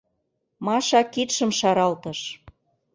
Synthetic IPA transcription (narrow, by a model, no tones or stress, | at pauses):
mɑʃɑkit̪ʃə̆mʃɑɾɑlt̪ɤ̆ʃ